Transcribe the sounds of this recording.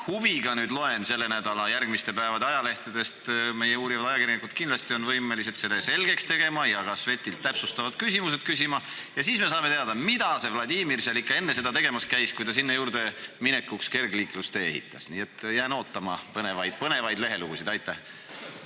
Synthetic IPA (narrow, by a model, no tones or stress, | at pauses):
huviɡ̥ɑnyːd̪lo̞e̞nse̞lːe̞næd̪̥ɑlɑjærɡmist̪e̞pæevɑd̪eɑjɑle̞ht̪ɑd̪e̞st̪me̞jeuːɾivɑd̪ɑjɑkiɾjɑnikud̪̥kinlɑst̪io̞nvɤjmelis̬et̪se̞lːese̞lɡe̞kst̪e̞ɡ̥e̞mɑjɑɡ̥ɑsve̞t̪ːˑilt̪ːæpsust̪ɑvɑd̪̥kysʲimus̬e̞d̪̥̚kys̬imɑ | jɑsiːsme̞s̬ɑːmet̪eɑd̪ɑmid̪̥ɑse̞vlɑd̪ʲiːmirsɑlikːˑɑe̞nːe̞se̞d̪̥ɑt̪e̞ɡ̥e̞mɑskæjskujd̪ɑs̬inːɑjuːɾd̪̥e̞mine̞kːukske̞rɡliːklust̪eḛɦḭt̪ːˑɑ̰sniːet̪ːjæːno̞ːt̪ːˑɑmɑ̰pɤne̞vɑjd̪̥pɤne̞vɑjd̪le̞ɦe̞luɡ̥usid̪ɑjt̪ːˑæh